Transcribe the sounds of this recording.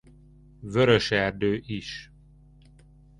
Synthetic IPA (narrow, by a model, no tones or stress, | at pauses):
vøɾøʃɛrd̪øːʔiʃ